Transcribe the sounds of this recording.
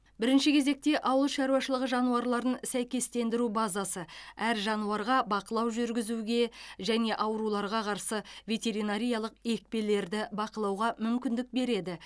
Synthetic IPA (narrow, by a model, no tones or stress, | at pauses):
bɪɾɪnʃɪkʲʰe̞ze̞k̚t̪e̞ʔɑwəlˠʃɑɾuwɑʃəlˠəʁəʒɑnuɑɾlˠɑɾənsæjkʲe̞st̪e̞nd̪ɪɾubɑzɑsəæɾʒɑnuɑɾʁɑbɑqəlˠɑwʒʏɾɡʲɪzuɡʲe̞ʒæne̞ʔɑwɾulˠɑɾʁɑqʰɑɾsəvʲe̞t̪ʲe̞ɾijnaɾʲijɑlˠəqe̞k̚pe̞le̞ɾd̪ɪbɑqəlˠɑwʁɑmʏmkʲɪnd̪ɪk̚be̞ɾe̞d̪ɪ